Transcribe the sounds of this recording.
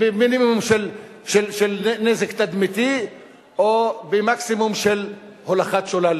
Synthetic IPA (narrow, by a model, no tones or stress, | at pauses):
beminimumʃel | ʃelʃelnezekt̪ad̪mit̪i | obemaksimumʃel | holaχat̪ʃolal